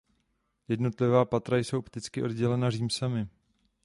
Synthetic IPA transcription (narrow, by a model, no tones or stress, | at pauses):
jɛdno̞t̪lɪvaːpat̪ɾajso̞wpt̪ɪt͡skɪʔo̞dɟɛlɛnariːmsamɪ